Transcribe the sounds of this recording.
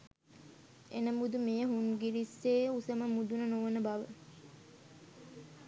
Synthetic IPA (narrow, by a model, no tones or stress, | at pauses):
enəmud̪umejəɦuŋɡiɾisːeːusəməmud̪unənoʋənəbaʋə